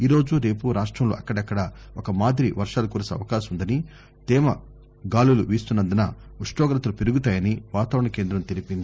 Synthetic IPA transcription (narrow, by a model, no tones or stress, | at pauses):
iːɾo̞ːd͡ʒuɾe̞ːpuɾaːʂʈɾɐmloːʔɐkːɐɽɐkːɐɽɐɔkɐmaːd̪ɾiʋɐɾʂaːlɐkuːɾsɐ̰ʋɐkaːʃɐmund̪ɐni | t̪ɛːmɐ | ɡaːluluʋiːst̪unːɐnd̪ɐnɐuʂʈɔːɡɾɐt̪ɐlupiɾuɡut̪aːjɐniʋaːt̪aːʋɾɐɳɐkeːnd̪ɾɐmt̪eɾipind̪i